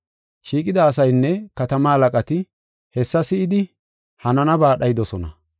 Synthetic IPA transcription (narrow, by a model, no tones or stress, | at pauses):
ʃiːkʼɪd̪ɐːsɐjnːɛkɐt̪ɐmɐɐlɐkʼɐt̪ɪ | hɛsːɐsɪʔɪd̪ɪ | hɐnɐnɐbaːɗɐjɪd̪ɔsɔnɐ̰